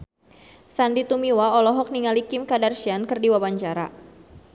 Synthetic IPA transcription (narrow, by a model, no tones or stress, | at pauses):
sandit̪umiwaɔlɔɦɔk̚niŋalikɪmkadarʃiankɨrdiwabaɲt͡ʃaɾa̰